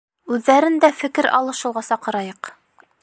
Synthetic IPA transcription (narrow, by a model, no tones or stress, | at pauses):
ʉðːæɾɘnd̪æfɘ̆kɘɾʔɑ̰lˠɤʃɤ̆lˠʁɑsɑqɤ̆ɾɑjɤq